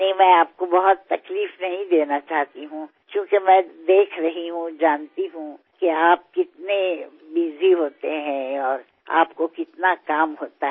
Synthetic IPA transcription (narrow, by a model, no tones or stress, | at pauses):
nɐɦĩmɛ̃ːaːp̚kobɐɦʊt̪ːɐkliːfnɐɦĩd̪eːnat͡ʃaːɦt̪iɦũ | kjõːkemɛ̃ːd̪eːkʰɾɐɦiɦũd͡ʒaːnt̪iɦũ | keaːp̚kɪt̪ne | biːziɦoːt̪eɦɛ̃ɔːɾ | a̰ːpkokɪt̪nakaːmɦoːt̪a